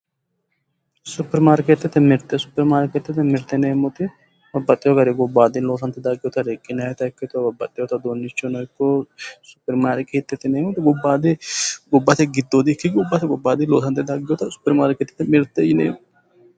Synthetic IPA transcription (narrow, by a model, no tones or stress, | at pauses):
sʊpːɛɾmaːɾket̪ːɛt̪ːɛmɪɾt̪ːɛsʊ̥pːɛɾmaːɾket̪ːɛt̪ɛmɪɾt̪ːɛneːmɔt̪ɪ | bɐbːɐt̪ʼːɪjɔɡɐɾɛɡɔbːaːd̪ɪnloːsɐnt̪ːɛd̪aɡɪjɔt̪ɐɾekʼːɪnɐɛt̪ɐɪkːɛt̪ʊbɐbːɐt̪ʼːɪjɔt̪ɐd̪onːɪt͡ʃːɔnɔjkːɔsʊ̥pːɛɾmaːɾkeːt̪ːɛt̪ːɪneːmɔt̪ɪɡɔbːaːd̪eɡɔbːɐt̪ɛɡɪd̪ːod̪ɪkːɪɡɔbːɐt̪ɛɡɔbːaːd̪ɪnloːsɐnt̪ːɛd̪aːɡɪjɔt̪ɐsʊ̥pːɛɾmaːɾket̪ːɛt̪ːɛmɪɾt̪ːɛjɪnḛːmɔ